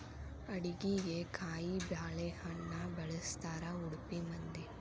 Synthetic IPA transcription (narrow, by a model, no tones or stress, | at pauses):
ɐɽiɡiɡekʰaːjibjaːɭehɐɳːɐbɐɭɐst̪aːɾɐuɽupimɐnd̪i